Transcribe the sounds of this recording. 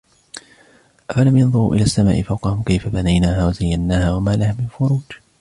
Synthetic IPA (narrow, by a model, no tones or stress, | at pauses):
ʔafalamjɑnðˤʊɾṵːʔɪ̰laːsːama̰ːʔɪfawqɑhʊmkajfabanajnaːɦaːwazajːanːaːhaːwamaːlahaːmɪnfʊɾuːd͡ʒ